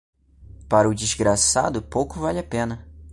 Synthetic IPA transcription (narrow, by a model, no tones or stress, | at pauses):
paɾɐʊd͡ʒizɡɾasa̰d̪ʊpowkʊvalɪɐpẽnɐ